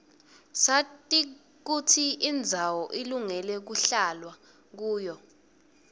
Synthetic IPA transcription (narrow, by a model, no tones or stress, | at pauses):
satʼi | k̬utʰiːnd͡zʱawɔʔiluŋɛlɛk̬uɬalwa | k̬uːjɔ